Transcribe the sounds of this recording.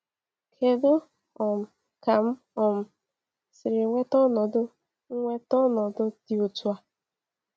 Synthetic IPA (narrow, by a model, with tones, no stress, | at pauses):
kʰe˨dʊ˦ | ɔ˨m̩˨ | ka˨m̩˦ | ɔ˨m̩˨ | sɪ˨ɾɪ˨ŋʷe˦tɔ˦nɔ˨dʊ˦ | ŋ̩˦ŋʷe˦tɔ˦nɔ˨dʊ˦ti˨o˨tu˦a˦